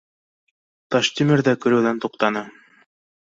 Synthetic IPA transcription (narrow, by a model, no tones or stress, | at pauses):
t̪ɑʃt̪imɘ̆ɾðækɵ̆ɾɘ̆wðænt̪uqt̪ɑnɤ